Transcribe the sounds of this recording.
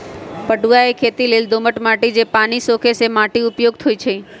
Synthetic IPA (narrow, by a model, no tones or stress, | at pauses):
pəɖuʋaekʰet̪ileld̪oməʈmaʈid͡ʒepañisokʰesemaʈiʊpjoɡ̚t̪ʰojt͡ʃʰe